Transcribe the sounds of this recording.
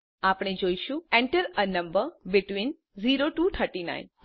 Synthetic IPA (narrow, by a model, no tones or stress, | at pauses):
apɽ̃ed͡ʒoiʃũɛ̃ɳʈəɾənəmbəɾbɪʈʋin | ziɾoʈut̪ʰəɾʈina̰in